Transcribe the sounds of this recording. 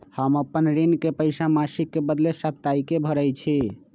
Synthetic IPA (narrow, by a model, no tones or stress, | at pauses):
həməpːənɾinkepəɪsamasikːebəd̪lesəp̚t̪aikebʱəɾəjt͡ʃʰi